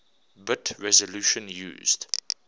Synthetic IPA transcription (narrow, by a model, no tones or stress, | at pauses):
bɪtʰɹɛzəluʃə̃njṵːzd